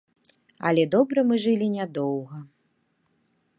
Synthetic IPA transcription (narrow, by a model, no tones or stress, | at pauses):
ɐ̰lʲɛd̪ɔbɾɐmɨʐɨlʲinʲad̪ɔwɣɐ